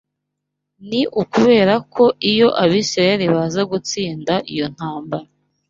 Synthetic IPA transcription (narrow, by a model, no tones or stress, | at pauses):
niʔukuβe̞ːɾakʰo̞ʔijo̞ʔaβiːsɾajeɾiβazaɡut͡siːndaʔijo̞n̥haːmbaɾa